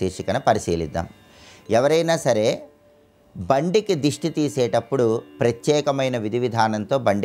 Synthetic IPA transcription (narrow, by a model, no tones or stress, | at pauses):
iːʂikɐnɐpɐɾisiːlḭd̪ːa̰ːm | ɛʋɐɾɐjnaːsɐɾe̞ː | bɐɳɖikid̪uʂʈit̪iːsɛːʈɐpːuɽupɾɐt̪jɛːkɐmɐjnɐʋid̪ʱiʋid̪ʱaːnɐnt̪o̞ːbɐɳɖ